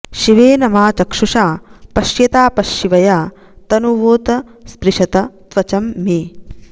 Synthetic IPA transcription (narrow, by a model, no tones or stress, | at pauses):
ʃiʋeːnɐmaːt͡ʃɐkʂuʂaːpɐʃjɐt̪aːpɐʃːiʋɐjaː | t̪ɐnuʋoːt̪ɐspɾiʃɐt̪ɐt̪ʋɐt͡ʃɐmːeː